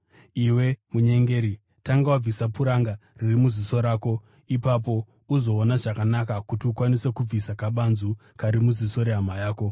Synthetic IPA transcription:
iwe̞muɲe̞ŋɡe̞ːɾi | taŋɡawab͡visapuɾaŋɡaririmuziso̞ɾaːko̞ | ipap̬o̞ | uzo̞ːnaʐakanakakutiukwanise̞kub͡visakaɓanzu | kaɾimuziso̞ɾe̞ɦamajaːko̞

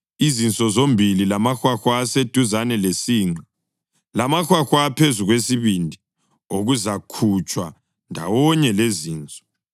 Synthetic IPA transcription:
izint͡sʼɔzombʱililamaxwaxwaːsed̥ʱuzanɛlesiːŋ͡ǀa | lamaxwaxwapʰezuɣwesiβindʱi | oɣuzakʰut͡ʃʼwa̰ | ndʱa̰wɔɲɛleziːnt͡sʼɔ̥

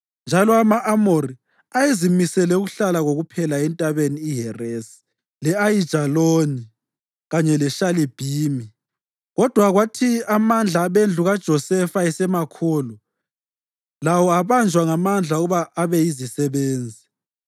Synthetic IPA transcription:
nd͡ʒʱalɔamaʔamori | ajezimisɛlɛuɣuɬalaɣoɣupʰɛlaɛntʼaβeniːɦɛresi̥ | lɛajid̥ʒ̥ʱaloni | ɣaɲɛlɛʃalib̥ʱiːmi | ɣɔd̥ʱwaɣwatʰiamand͡ɮʱaːβend͡ɮʱuɣad̥ʒ̥ʱɔsɛfaɛsɛmakʰuːlu | lawɔaβand͡ʒʱwaŋamand͡ɮʱauɣuβaʔːβɛjizisɛβeːnd͡zʱi

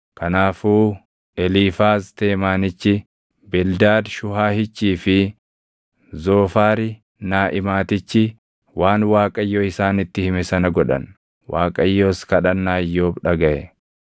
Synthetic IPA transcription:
kɐnaːfuː | ɛliːfaːst̪e̞ːmaːnɪt͡ʃːɪ | bɛld̪aːd̪ʃʊhaːhɪt͡ʃːiːfɪ | zoːfaːɾɪ | naːʔɪmaːt̪ɪt͡ʃːɪ | waːnwaːkʼɐjːoːɪsaːnɪt̪ːɪhɪmɛsɐnɐɡɔᶑɐ̰n | waːkʼɐjːoːskɐᶑɐnːaːjːoːbᶑɐɡɐʔɛ

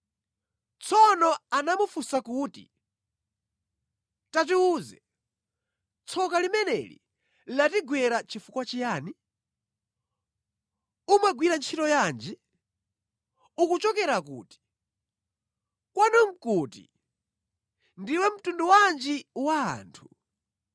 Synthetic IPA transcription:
t͡sʰɔnɔanamufusakuːtḭ | tat̬iuːzɛ | t͡sʰɔkalimɛnɛ̰lḭ | latiɡwɛɾat͡ʃifukwat͡ʃijaːni | umaɡwiɾant͡ʃʰitɔjaːnd͡ʒi | ukut͡ʃɔkɛɾakṵːti̥ | kwanɔm̩kutḭ | ndiwɛm̩tunduwand͡ʒiwa̰ːntʰu̥

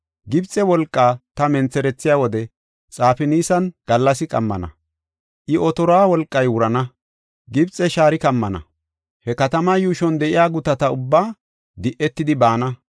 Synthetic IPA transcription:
ɡɪbt͡sʼːɛwɔlkʼːaːt̪ɐmɛnt͡sːɛɾɛt͡sːɪjaːwɔd̪ɛ | t͡sʼaːfɪniːsɐnɡ̥ɐlːɐs̬ɪkʼɐ̰mːɐ̰nɐ̰ | ʔɪʔɔt̪ɔɾaːwɔlkʼːɐjwʊɾɐnɐ | ɡɪbt͡sʼːɛʃaːɾɪkɐmːɐnɐ̰ | hɛkɐt̪ɐmajuːʃɔnd̪ɛʔɪjaːɡʊt̪ɐt̪ɐʊbːaː | d̪ɪʔɛt̪ːɪd̪ɪbaːnɐ

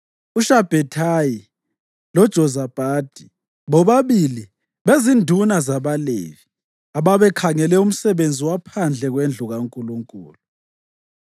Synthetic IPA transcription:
uʃab̥ʱɛtʰaji | lɔd̥ʒ̥ʱɔzab̥ʱaːd̥ʱi | βɔβaβili | βezindʱunazaβalḛvi | aβaβɛkʰaŋɛlɛum̩sɛβend͡zʱiwapʰand͡ɮʱɛɣwend͡ɮʱuɣaŋkʼuluŋkʼṵːlu

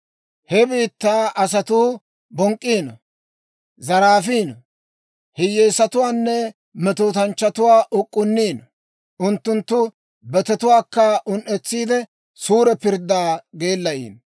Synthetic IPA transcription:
hɛbiːt̪ːaːʔɐs̬ɐt̪uː | bɔŋkʼːiːnɔ̰ | zɐɾaːfiːnɔ | hɪjːeːsɐt̪ʊwaːnːɛ | mɛt̪oːt̪ɐnt͡ʃːɐt̪ʊwaːʔʊkʼːʊnːiːnɔ | ʊnt̪ːʊnt̪ːʊ | bɛt̪ɛt̪ʊwaːkːɐʔʊnʔɛt͡sːiːd̪ɛ | suːɾɛpɪɾd̪aːɡe̞ːlːɐʔḭːn

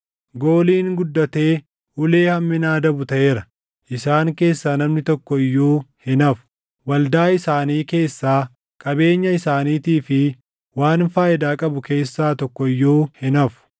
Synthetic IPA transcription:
ɡo̞ːliːŋɡʊd̪ːɐt̪e̞ː | ʊle̞ːhɐmːɪnaːd̪ɐbʊt̪ɐʔeːɾɐ | ʔɪsaːŋke̞ːsːaːnɐmnɪt̪ɔkːɔɪjːoːhɪnɐfʊ̥ | wɐld̪aːɪsaːniːke̞ːsːaː | kʼɐbe̞ːɲːɐɪsaːniːt̪iːfɪ | waːnfaːɪd̪aːkʼɐbʊke̞ːsːaːt̪ɔkːɔɪjːoːhɪnɐfʊ̥

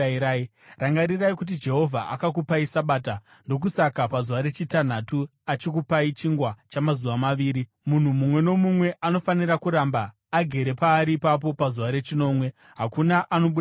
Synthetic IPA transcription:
ɾai | raŋɡaɾiraikut̬id͡ʒe̞ɦo̞vʱaʔa̰kak̬upaisaɓaːta | ndo̞k̬usakapazuʋaɾe̞t͡ʃitan̤atuat͡ʃikupait͡ʃiŋɡwat͡ʃamazuʋamaʋiːɾi | mun̤umumwe̞no̞mumwe̞ʔano̞faniɾakuɾaːmbaː | ɡʱe̞ɾe̞paːɾiːpap̬o̞pazuʋaɾe̞t͡ʃino̞ːmwe̞ | ɦakunaʔano̞ɓu

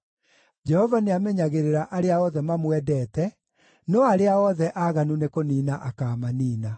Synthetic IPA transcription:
d͡ʒɛhɔvaneamɛɲaɣeɾeɾaʔaɾeaɔðɛmamwɛdɛtɛ | nɔaɾeaɔðɛʔaɣanunekoniːnaʔakaːmaniːna

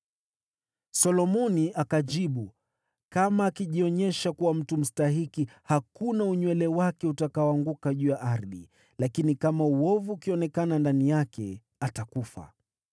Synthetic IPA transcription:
sɔlɔmɔniʔakaʄiɓu | kamaːkiʄiɔɲɛʃakuwam̩tum̩staɦikihakunauɲwɛlɛwakɛutakaɔaŋɡukaʄuːjaʔaɾðḭ | lakinikamauɔvuːkiɔnɛkanandanijakɛ̰ | atakufa̰

